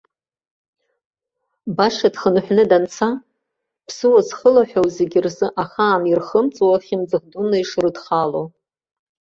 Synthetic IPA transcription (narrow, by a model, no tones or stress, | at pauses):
baʂadχənħʷᶣnɨdant͡sʰa | pʰsɨwazχəlaħᶣowzeɡʲirzɨʔaχaːmirχəmt͡sʼwaχʲɪmd͡zɨʁdunaiʂrɨdχalo